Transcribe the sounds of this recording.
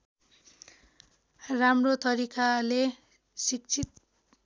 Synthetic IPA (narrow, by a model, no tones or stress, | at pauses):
ramrot̪ʌɾikale | sik̚t͡sʰit̪̚